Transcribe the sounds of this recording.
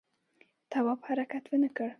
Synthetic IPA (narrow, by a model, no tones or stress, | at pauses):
t̪ʰawaphaɾakat̪wənəkəɽ